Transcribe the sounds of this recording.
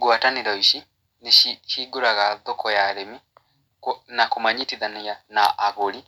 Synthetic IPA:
ɡwataniɾaiʃi | niʃiʃiɡuɾaɣaðɔkɔjaɾɛmi | knakumaɲitiðanianaʔaɣɔli

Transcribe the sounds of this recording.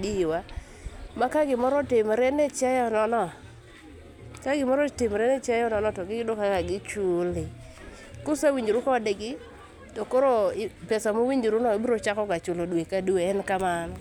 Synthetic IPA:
diwa | makaɡɪmɔɾɔtɪmɾɛnɛt͡ʃajɔnɔnɔ | kaɡɪmɔɾɔtɪmɾɛnet͡ʃajɔnɔnɔtɔɡɪɡdʊkakaɡɪt͡ʃulɪ | kʊsawiɲd͡ʒiɾukɔdɪɡɪ | tokoɾopɛsamowiɲd͡ʒiɾunɔebiɾot͡ʃakɔkat͡ʃʊlodwekadueɛnkamanɔ

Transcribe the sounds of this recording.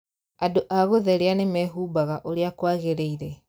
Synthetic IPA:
adoʔaɣoðɛɾeanemɛɦubaɣaʔoɾeakwaɣeɾeiɾɛ

